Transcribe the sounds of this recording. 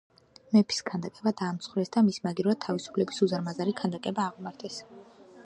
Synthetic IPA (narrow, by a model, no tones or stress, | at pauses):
mɛpʰi̥skʰand̪akʼɛbad̪aːmt̪sʰχwɾɛsd̪amismaɡiɾat̪ʰavisu̥pʰlɛbisuzaɾmazaɾikʰand̪akʼɛbaːʁmaɾt̪ʰɛs